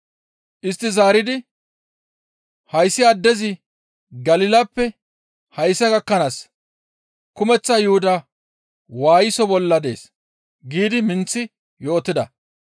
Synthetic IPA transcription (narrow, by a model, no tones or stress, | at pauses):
ʔɪst̪ːɪzaːɾɪd̪ɪ | hɐjsːɪɐd̪ːɛzɪ | ɡɐlɪlɐpːɛ | hɐjsːɐkɐkːɐnaːs | kʊmɛt͡sːɐjʊhʊd̪ɐ | waːjɪsɔbɔlːɐd̪e̞̰ːs | ɡiːd̪ɪmɪnt͡sːɪ | jo̞ːt̪ːɪd̪ɐ